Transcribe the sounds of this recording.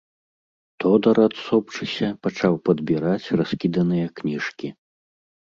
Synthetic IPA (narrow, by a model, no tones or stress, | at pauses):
t̪ɔd̪ɐɾat̪sɔpt͡ʂɨsʲɐpat͡ʂawpɐd̪bʲiɾat͡sʲraskʲid̪ɐnɨjɐknʲiʂkʲi